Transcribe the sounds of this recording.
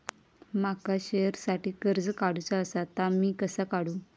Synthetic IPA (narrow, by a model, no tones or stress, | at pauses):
makaɕejɾsaʈiːkəɾd͡zkaɽut͡saəsat̪amiːkəsəkaɽũː